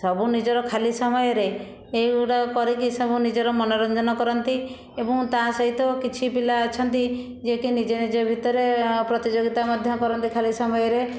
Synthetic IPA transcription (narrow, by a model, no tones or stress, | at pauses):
sɔbunid͡ʒɔɾɔkʰalisɔmɔjɔɾe | eiuʈɔkɔɾikisɔbunid͡ʒɔɾɔmɔnɔɾɔnd͡ʒɔnɔkɔɾɔnt̪i | ebɔŋt̪ãsɔɦit̪ɔkit͡ʃʰipilaːt͡ʃʰɔnt̪i | d͡ʒekinid͡ʒenid͡ʒebʱit̪ɔɾepɾɔt̪id͡ʒoɡit̪amad̪ʱjɔkɔɾɔnt̪ikʰalisɔmɔjɔɾe